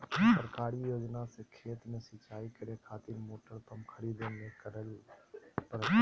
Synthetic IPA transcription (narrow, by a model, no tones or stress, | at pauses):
pɾkaːɾijoːd͡ʒnasekʰeːt̪mẽsɪt͡ʃaːikəɾekʰaːt̪iɾmoːʈəɾt̪əmkʰəɾiːd̪enekəɾəl | pəɾ